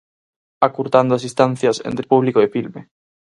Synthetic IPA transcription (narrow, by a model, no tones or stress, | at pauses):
akuɾt̪and̪ʊasist̪an̟θjɐsḛnt̪ɾɪpuβlikoefilme